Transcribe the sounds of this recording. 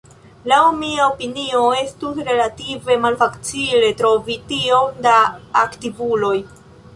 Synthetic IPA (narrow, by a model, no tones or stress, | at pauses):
lawmiaopinio̞e̞stusɾe̞lative̞malfakt͡sile̞tɾo̞vitio̞mdaːktivulo̞j